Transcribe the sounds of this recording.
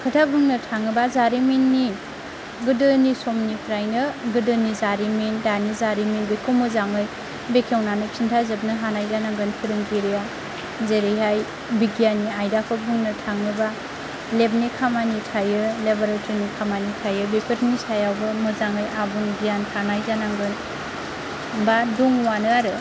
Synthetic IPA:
kʰɯtʰabɯŋnɯtʰaŋɯbazaɾiminːi | ɡɯdɯnisomnipʰɾajnɯɡɯdɯnizaɾimindanizaɾiminbekʰɯmɯzaŋɯj | bekʰewnanɯt͡ʃʰintʰazɯb̚nɯɦanajdanaɡɯnpʰiɾɯŋɡiɾija | zeɾejɦaj | biɡijaniajdapʰɯbɯŋnɯtʰaŋnɯba | leb̚nikʰamanitʰajɯlebaɾetʰɯnikʰamanitʰajɯbepʰeɾʰnisajawbɯmɯzaŋɯjʔabɯŋɡijankʰanajzanaŋɡɯn | baduŋwanɯaɾɯ

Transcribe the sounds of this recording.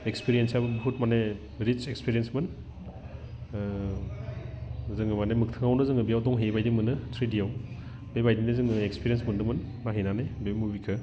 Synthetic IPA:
ekspiɾiensjabɯbɦut̚mane | ɾit͡ʃekspiɾijensmɯn | zɯŋɯmanemɯk̚tʰɯŋawnɯzɯŋɯbijawdɔŋɦebajdimɯnɯtʰɾidijaw | bebajdindɯzɯŋɯekspiɾijensmɯndɯmɯn | maɦenanejbebmubikʰɯ

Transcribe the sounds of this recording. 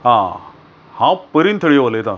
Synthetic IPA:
ɦã | hãpəɾint̪ʰəɽiʋoləjt̪ã

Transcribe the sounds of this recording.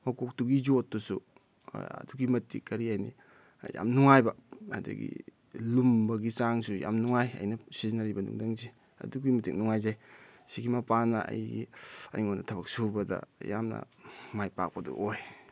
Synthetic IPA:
mɐkok̚tuɡijotːusu | ɐ̰duɡimɐtːikːɐɾiajnḭ | ja̰mnuŋajbɐadɐ̰ɡḭ | lumbɐɡisaŋsuja̰mnuŋajɐ̰jnɐsizinɐɾibɐnṵŋdaŋzi | ɐ̰duɡimɐtik̚nuŋajzajsiɡimɐpanɐʔɐ̰jiɐ̰jŋonɐtʰɐbɐk̚subɐdɐ̰ja̰mnɐ̰ | majpa̰k̚pɐdṵʔoj

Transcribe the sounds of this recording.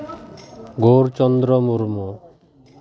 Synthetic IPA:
ɡoɾt͡ʃɔnd̪ɾɔmuɾmu

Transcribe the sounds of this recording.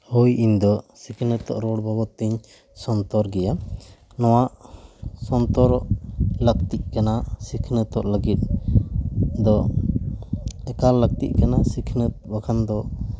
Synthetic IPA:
hujʔiɲd̪ɔsikʰnət̪ɔ̰ʔɾɔɽbɔbɔt̪ːiɲ | sɔnt̪ɔɾɡɛja | nɔwaʔsɔnt̪ɔɾɔʔlək̚t̪iʔ̚kanasikʰnət̪ɔʔləɡit̪̚ | d̪ɔ | ɛkaɾlək̚t̪ḭʔkanasikʰnəbaɡʰand̪ɔ

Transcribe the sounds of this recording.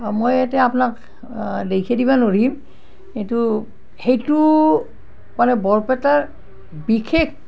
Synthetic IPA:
mojɛtɛapnak | dejkʰedibanoɹim | etu | hejtu | manɛbɔɹpɛtaɹ | bikʰek

